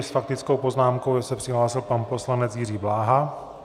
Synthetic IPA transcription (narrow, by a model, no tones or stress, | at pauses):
sfak̚t̪ɪt͡sko̞wpo̞znaːmkowjasɛpr̥ɪɦlaːsɪlpanpo̞slanɛt͡sjɪriːblaːɦa